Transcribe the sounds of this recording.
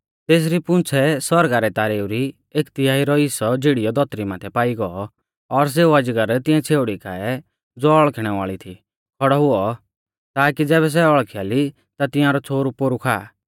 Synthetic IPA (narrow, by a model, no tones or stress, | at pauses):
t̪eːs̬ɾipʊ̃nt͡sʰɛsɔɾɡaɾɛt̪aːɾeːuɾi | eːkt̪ɪjaːiɾɔɪsɔd͡ʒɪɽijɔd̪ʱɔt̪ɾimaːt̪ʰɛpaːiɡɔɔ | ɔɾs̬eːuɐd͡ʒɡəɾt̪ɪ̃ɛ̃t͡sʰeːʊɽikʰa̰ːɛ | d͡zoːɔɭkʰɽ̃ɛʋa̰ːɭit̪ʰi | kʰɔɽɔɦʊɔ | t̪aːkid͡zɛːβɛs̬ɛɔɭkʰijaːli | t̪at̪ɪ̃jãɾɔt͡sʰoːɾupoːɾukʰaː